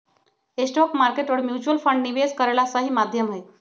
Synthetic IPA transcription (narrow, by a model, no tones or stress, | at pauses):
esʈɔkmaɾkeʈəɽmjut͡ɕuəlfəɳɖniʋed͡zkəɾɭasəɦiːmad̪ʱjəmɦe